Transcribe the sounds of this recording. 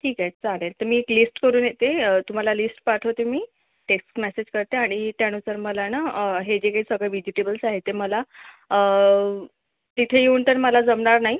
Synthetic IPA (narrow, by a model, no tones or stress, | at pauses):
ʈʰiːkat͡salelt̪əɾmiːeklisʈkəɾuːnjet̪eət̪um̤alalisʈpaʈʰot̪emiː | ʈeksʈmɛsed͡ʑkəɾt̪eaɽ̃it̪aɽ̃usəɾməlanaɦed͡ʑekaisəɡɭeʋid͡ʑiʈebəlsaɦet̪eməla | ə | t̪it̪ʰejeunt̪əɾməlad͡zəmɳaɾnaɦi